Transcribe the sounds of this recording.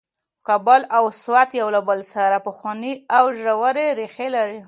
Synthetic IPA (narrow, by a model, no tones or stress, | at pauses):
kabalawswat̪jawlabəlsaɾapʊxwɑniawʒawaɾeɾexelaɾi